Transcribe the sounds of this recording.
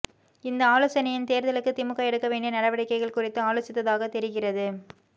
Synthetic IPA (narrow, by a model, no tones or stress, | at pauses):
ɪnd̪ɐaːloːsɐnɐjɪnt̪eːɾðɐlɯkːɯt̪ɪmɯkːaːɛɽɯkːɐʋeːɳɖɐnɐɽɐʋɐɽɐɪkːɐɪɣɐɭkʊrɪt̪ːɯaːloːsɪt̪ːɐðaːɣɐt̪ɛɾɪɣɪrɐðɯ